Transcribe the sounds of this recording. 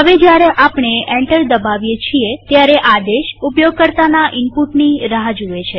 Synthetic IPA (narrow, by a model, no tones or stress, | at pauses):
ɦəʋed͡ʒjaɾeʔapɳeɛɳʈəɾd̪əbaʋjet͡ʃʰiet̪jaɾeʔad̪eʃupjoɡ̚kəɾt̪anaʔɪmpuʈniɾəɦad͡ʒuet͡ʃʰe